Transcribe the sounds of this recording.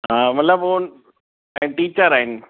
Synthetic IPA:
ɦãːmɐt̪ləboː | ɛ̃ʈiːt͡ɕəɾaːɦɪnɪ̆

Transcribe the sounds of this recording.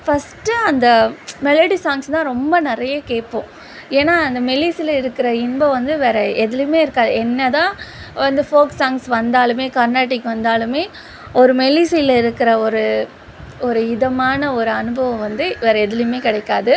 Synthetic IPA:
fɐsʈːɯɐnd̪ɐmɛlɐɽisaːŋst̪ãːɾɔmbɐnɪɾɐjɐkeːʈpõː | eːnːaːɐnd̪ɐmɛliːsɪlɐɪɾɯkːɪɾɐɪnbɐʋɐnd̪ɯʋeːɾɐɛðɪlɯmeːɪɾɯkːaːðɯɛnːɐt̪ãːʋɐnd̪ɯfoːksaːŋsʋɐnd̪aːlɯmeːkɐɾnaːʈːɪkːʋɐnd̪aːlɯmeː | ɔɾɯmɛliːsiɪlɪɾɯkːɪɾɐɔɾɯ | ɔɾɯɪðɐmaːnɐɔɾɯɐnɯbɐʋɐ̃ʋɐnd̪ɯʋeːɾɐɛðɪljmeːkɪɽɐɪkːaːðɯ

